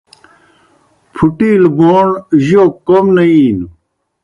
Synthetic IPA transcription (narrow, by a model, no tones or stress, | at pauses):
pʰuʈiːlboːɳʑokomnɐiːn